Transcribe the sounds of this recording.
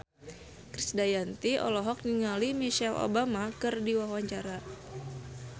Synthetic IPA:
kɾisdajant̪iɔ̰lɔɦɔk̚niŋalimiʃalo̰bamakɨrdiwahwaɲt͡ʃaɾa

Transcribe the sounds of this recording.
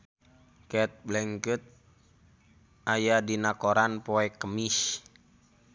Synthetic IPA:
kɛt̪̚blɛŋkət̪̚ | ʔajadinakoɾanpoɛkəmis

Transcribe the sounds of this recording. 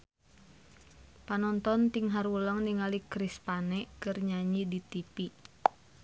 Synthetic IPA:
panɔnt̪ɔnt̪iŋɦaɾuləŋniŋalikɾispanɛkərɲaɲidit̪ipi

